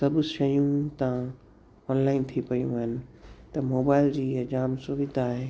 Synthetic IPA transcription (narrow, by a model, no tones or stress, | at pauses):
sɐbʃɐjũt̪ã | ɔːnlaːɪnt̪ʰipɐjṵ̃ɦənɪ̆t̪ɐmoːbaːɪld͡ʑiːəd͡ʒaːmsuʋɪd̪ʱaɦe